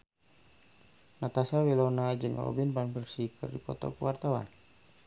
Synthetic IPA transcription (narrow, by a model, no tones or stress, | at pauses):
nat̪asawilɔnad͡ʒɨŋɔ̰binpanpərsikʰɨrdipɔt̪ɔ̰kuwart̪awa̰n